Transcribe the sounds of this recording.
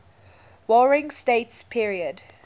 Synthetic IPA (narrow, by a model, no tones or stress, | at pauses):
wɔɹɪ̃ŋsteɪtspʰiɹiəd